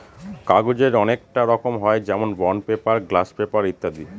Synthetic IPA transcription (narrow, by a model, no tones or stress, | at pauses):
kaɡud͡ʑeɾɔnek̚ʈaɾɔkomɦɔed͡ʑɛmonbɔnpepaɾɡlaspepaɾit̪ːad̪i